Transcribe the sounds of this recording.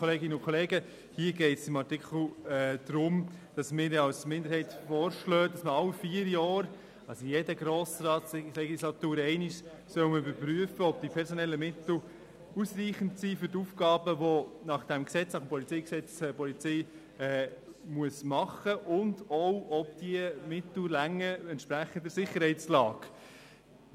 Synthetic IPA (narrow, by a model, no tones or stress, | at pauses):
ɔleːɡɪnəʊnkʰɔleːɡə | hiːəɡɛɪtsɪmɑɾtɪkl̩ɛd̪̥ɾʊmd̥ɑsmɪːɾɑwsmɪnd̪əɾhɛɪtfɔːɾʃlœːdɑsməɑwfiːəɾjɑːɾ | ɑsɔjedəɡɾoːsɾɑːtslɛɡislɑtuːɾɛɪniʃ | sœʊəməybəɾpɾyəfəɔb̥̚d̥ipʰɛɾsɔnɛlːəmɪt̪l̩ | usriːχəntsiːfʏɾtufɡ̥ɑːbəʋɔnɑχd̥ɛmksɛt͡snɑχmpɔlit͡sɛɪksɛt͡sɛpɔlit͡sɛɪ | ɛːmuəsmɑχəʔʊndɔwʔɔbd̥iəmɪt̪l̩læŋːəɛnt̪ʃpɾæχəndəɾsɪχːəɾɦhɛɪtt͡slɑːɡ̥